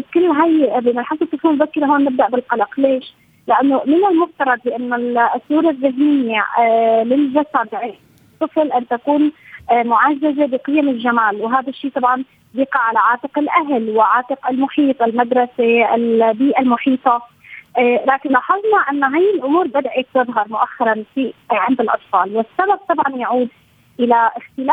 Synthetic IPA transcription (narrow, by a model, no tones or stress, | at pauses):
kʊlːɦajbɪmɪlħasˤɨt̪ˤːɨfumbakːɪɾaɦoːnːɪb̚d̪aʔbɪlqɑlɑqleːʃ | lɪʔanːomɪnalmʊft̪ɑɾˤɑd̪̚bɪʔanːʊsːuːɾˤɑðːɪɦmɪjːalɪlʒasad̪ʕɪː | t̪ˤːɨflʔɪnt̪akuːnmʊʕazːazebɪqɨjːamɪlʒamaːlwɦaːd̪aʃːiːt̪ˤɑbʕɑn | jɪqɑʕalaʕɑːt̪ˤɨqɪlʔaɦlwɪʕɑːt̪ˤɨqɪlmʊħiːt̪ˤɪlmad̪ɾˤɑseʔɪ̰lbiːʔalmʊħiːt̪ˤɑ | laːkɪnlɑħɑðˤnɑʔanːaɦajːɪlʔʊmuːɾbɪd̪ʕɪk̚t̪ɨðˤɦɑɾˤmʊʔaxːɑɾˤɑnfiʕɪnd̪ɪlʔɑ̰t̪ˤfɑːlwɪsːabab̚t̪ˤɑbʕɑnjaʕuːd̪ | ʔɪlaʔɪxt̪ɪlaː